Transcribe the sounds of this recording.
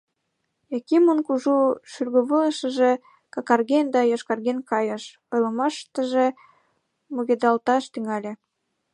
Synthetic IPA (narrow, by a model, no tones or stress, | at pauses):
ekimonkuʒuʃyrɣoβələʃəʒe | kɑkɑrɣend̪ɑjoʃkɑrɣenkɑjəʃ | ojləmɑʃt̪ə̆ʒe | muɣed̪ɑlt̪ɑʃt̪yŋɑlʲe